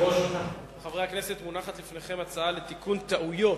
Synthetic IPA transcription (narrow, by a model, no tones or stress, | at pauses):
oʃata | eχavʁeakne̞se̞t̪munaχat̪lifneχe̞mat͡saale̞t̪ikunt̪aʔujo̞